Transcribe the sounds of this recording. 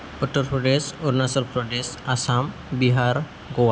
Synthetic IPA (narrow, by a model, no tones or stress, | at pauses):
pəʈːəɾfɾɔɖesɔɾnasəlpɾɔɖesasam | biɦaɾ | ɡoʋa